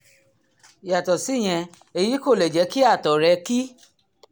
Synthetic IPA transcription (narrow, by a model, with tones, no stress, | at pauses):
ja˨tɔ˨si˨˦˨j̃ɛ̃˧ | e˧ji˨˦ko˦˨lɛ˨d͡ʒɛ˨˧˦ki˦a˦˨tɔ˨ɾɛ˧ki˦